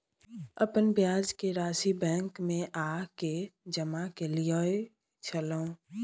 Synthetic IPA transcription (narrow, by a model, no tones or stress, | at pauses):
əpənbjaːd͡ʒkeɾaːsibɛ̃ːŋkmẽʔaːked͡ʒəmakelijɔːe | t͡ʃʰəlaũː